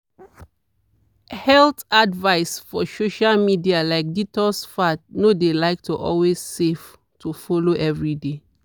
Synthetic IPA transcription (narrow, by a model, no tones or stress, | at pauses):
hɛltadvaɪsfɔsoʃalmidialaɪk̚ditɔsfatnodelaɪk̚tuʔɔ̰lwez̥sef | tufɔloʔɛvɹide